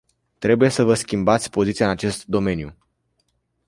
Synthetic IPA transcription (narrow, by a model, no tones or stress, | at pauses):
t̪ɾe̞buje̞səvəskʲimbat̪sʲpo̞zit̪iaɨnat͡ʃe̞st̪d̪o̞me̞nju